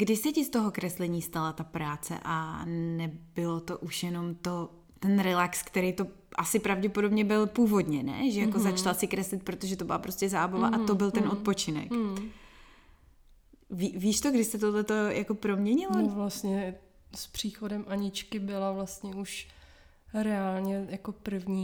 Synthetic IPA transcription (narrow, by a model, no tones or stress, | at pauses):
ɡ̥dɪsɪcɪst̪oɦokɾɛslɛɲiːst̪alat̪apɾaːt͡sɛ̰ʔanɛbɪlo̞t̪oʔuʃjɛno̞mt̪o | t̪ɛnɾɛlakskt̪ɛɾejt̪o̞ | ʔasɪpɾavɟɛpodo̞bɲɛbɪlpuːvo̞dɲɛnɛ̰ʒɛjako̞zat͡ʃalasɪkɾɛslɪt̪̚pɾot̪oʒɛt̪obɪlapɾo̞scɛzaːbavaʔat̪o̞bɪlt̪ɛno̞t̪̚po̞t͡ʃɪnɛ̰k | viːviːʃt̪oɡdɪst̪ɛt̪̬odlɛt̪o̞jʔakopɾo̞mɲɛɲɪlovlast̪ɲɛ | spr̝̥iːxodɛmʔaɲɪt͡ʃkɪbɪlavlast̪ɲɛuʃ | ɾɛaːlɲɛjakopr̩vɲiː